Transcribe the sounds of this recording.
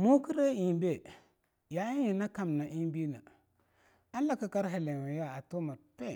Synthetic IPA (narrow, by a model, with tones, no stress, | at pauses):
mo˦ki˦ɾe˦i˨be˦˨ | ja˨i˦ji˨na˦ka˨m˨na˨ʔi˦n˦bi˦na˨ | a˦la˦ka˨ka˦ɾɦe˨le˨wi˨ja˦˨a˨to˦ma˨pe˦˨